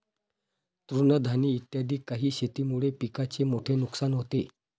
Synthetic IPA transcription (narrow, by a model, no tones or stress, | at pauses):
t̪ɾunəd̪ʱaniːt̪jad̪ʱiːkːaɦiːɕet̪iːmuɭepikat͡semoʈʰenuksanɦot̪e